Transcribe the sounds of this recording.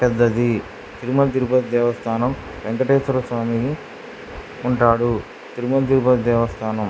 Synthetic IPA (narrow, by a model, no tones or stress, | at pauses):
pɛd̪ːɐd̪i | t̪iɾumɐlt̪̬iɾupɐt̪d̪ɛːʋɐst̪ʰaːnɐm | ʋeŋkɐʈeːsɐɾɐsʋaːmi | uɳʈaːɽu | t̪iɾumɐlt̪̬iɾupɐt̪d̪ɛːʋɐst̪ʰaːnɐm